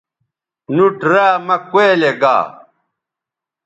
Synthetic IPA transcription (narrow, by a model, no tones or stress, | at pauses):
nuʈɾaːmɐkweːleɡa̰ː